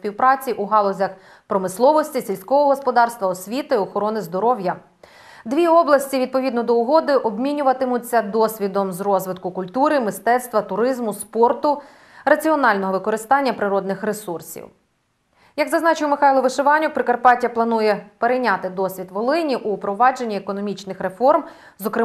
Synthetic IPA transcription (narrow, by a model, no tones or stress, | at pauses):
pʲiwpɾɑt͡sʲiʔuɦɑlˠɔzʲɐx | pɾɔmɪslˠɔʋɔsʲtʲisʲilʲsʲkɔʋɔɦɔspɔd̪ɑrst̪ʋɐɔsʲʋʲit̪ɪɔxɔɾɔnɪzd̪ɔɾɔwjɐ | d̪ʋʲiɔblˠɐsʲtʲiʋʲid̪̚pɔʋʲid̪nɔd̪ɔʊɦɔd̪ɪʔɔbmʲinʲʊʋɐt̪ɪmʊt͡sʲːɐd̪ɔsʲʋʲid̪ɔmzrɔzʋɪt̪kʊkʊlʲt̪uɾɪmɪst̪ɛt̪st̪ʋɐt̪ʊɾɪzmʊspɔrt̪ʊ | rɐt͡sʲiɔnɑlʲnɔɦɔʋɪkɔɾɪst̪ɑnʲːɐpɾɪɾɔd̪nɪxɾesursʲḭw | jɐɡzɐznɑt͡ʃɪjmɪxɑjlˠɔʋɪʃɪʋɑnʲʊkpɾɪkɐrpɑtʲjɐplˠɐnujɛpeɾejnʲat̪ɪd̪ɔsʲʋʲid̪ʋɔlˠɪnʲiʔupɾɔʋɑd͡ʒe̞nʲːiekɔnɔmʲit͡ʃnɪxɾe̞fɔrm | zɔkɾɪ